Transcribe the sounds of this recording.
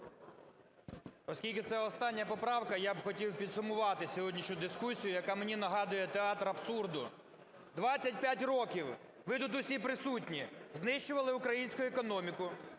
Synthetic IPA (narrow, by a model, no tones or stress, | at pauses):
ɔsʲkʲilʲkɪt̪sɛɔst̪ɑnʲːɐpɔpɾɑwkɐjabxɔtʲiwpʲid̪sʊmʊʋɑt̪ɪsʲɔɦɔdʲnʲiʃʲʊd̪ɪskusʲijʊjɐkɑmenʲinɐɦɑd̪ʊjɛt̪eɑt̪ɾɐpsurd̪ʊ | d̪ʋɑt͡sʲɐt̚ʲpʲjatʲrɔkʲiw | ʋɪt̪ut̪ʊsʲipɾɪsutʲnʲiznɪʃt͡ʃʊʋɐlˠɪʊkɾɐjinʲsʲkʊjʊekɔnɔmʲikʊ